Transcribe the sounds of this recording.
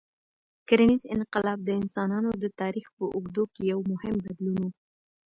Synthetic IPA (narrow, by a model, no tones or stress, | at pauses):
kaɾanizɪ̰nqɪlɑb̚d̪əɪnsɑnɑnod̪ət̪ɑɾixpəʔʊɡd̪okejawmʊhɪmbad̪lunwu